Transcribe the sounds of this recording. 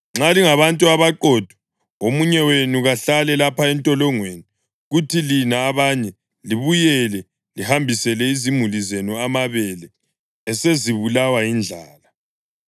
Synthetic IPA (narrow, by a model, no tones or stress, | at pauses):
ŋ͡ǁaliŋaβantʼuaβaǃɔd̥ʱwɔ̥ | omuɲɛwenuɣaɬalɛlapaɛntʼɔlɔŋweni | ɣutʰilinaːβaɲɛ | liβujɛlɛ | lihambʱisɛlɛizimulizenuamaβɛlɛ | ɛseziβulawajind͡ɮʱaːla